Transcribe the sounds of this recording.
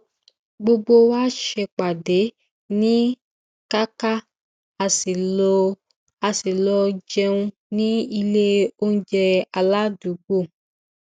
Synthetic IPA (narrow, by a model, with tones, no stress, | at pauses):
ɡ͡bo˧ɡ͡bo˧waː˦ʃɛ˧k͡pa˨de˨˦ | nĩ˦ | ka˦ka˦ | a˨si˨˧ | a˧si˨lɔ˧d͡ʒɛ˧ũ˧ | nĩ˦i˧le˦o˦n̩˦d͡ʒɛ˧a˧la˦du˨˦ɡ͡bo˦˨